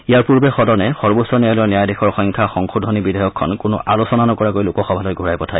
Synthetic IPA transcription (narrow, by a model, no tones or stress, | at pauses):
iaɹpuɹbɛxɔdɔnɛxɔɹbosɔniajlɔnɛjajdɛxʰɔɹxɔŋkʰaxɔŋxʰudʱɔnibidʱɔjɔkʰːɔ̰nkʊnʊ̰ʔalosɔnanɔkɔɹakojlʊkɔxɔbʱalɔjɡʱuɹajpɔtʰaj